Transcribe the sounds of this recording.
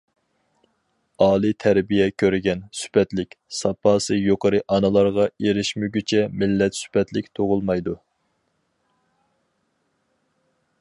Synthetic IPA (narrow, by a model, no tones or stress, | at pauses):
ɑːlˠɨt̪ʰæɾbijɛkʲʰøɾɪɡʲɛnsy̥pʰɛt̪lɪkʲsɑpʰɑːsɨjoqəɾɨʔɑnɨlˠɑɾʁɑeɾɪʃmyɡʲyt͡ʃʰɛmɪlːɛt̪sy̥pʰɛt̪lɪk̚ʲt̪ʰoʁʊlˠmɑjd̪u